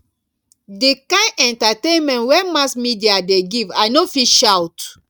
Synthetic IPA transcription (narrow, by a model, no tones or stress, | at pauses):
dekãɛ̃ntatẽnmɛ̃nwɛnmasmidiadeɡivajnofiʃawt